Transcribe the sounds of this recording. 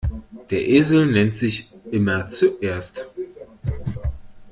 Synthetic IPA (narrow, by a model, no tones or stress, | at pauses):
d̥eːɐʔeːzl̩nɛntz̥ɪçʔɪmɐt͡suʔeːɐst